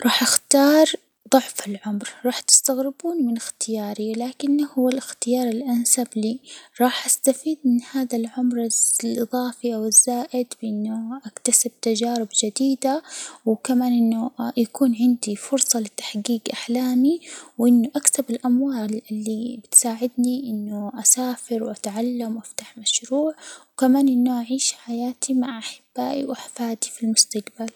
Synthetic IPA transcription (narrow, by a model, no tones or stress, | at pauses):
ɾˤɑːħʔaxt̪ɑːɾˤ | d̪ˤʊʕfɪlʕʊmɾɾˤɑːħt̪ɪ̥st̪aɣɾɪbuːnmɪnɪxt̪ɪjɑːɾilaːkɪnːhuwːalɪxt̪ɪjɑːɾˤɪlʔansabliɾˤɑːħʔast̪afiːd̪̚mɪnhaːðalʕʊmɾɪlʔɨðˤɑːfiʔawɪzːaːʔɪd̪bɪʔɪnːʊʔakt̪asɪb̚t̪ad͡ʒaːɾɪbd͡ʒɪd̪iːd̪awkamaːnʔɪnːʊjakuːnʕɪnd̪ifʊɾsˤɑlɪt̪ːḁħɡiːɡʔaħlaːmiwʔɪnːʊʔakθabɪlʔamwaːlɪlːibɪt̪saːʕɪd̪niʔɪnːʊʔasaːfɪɾwʔat̪ʕalːamwʔaft̪aħmaʃɾuːʕwkamaːnʔɪnːʊʔaʕiːʃħajaːt̪ʰimaʕʔaħɪbːaːʔiwʔaħfaːd̪ifilmʊst̪aɡbal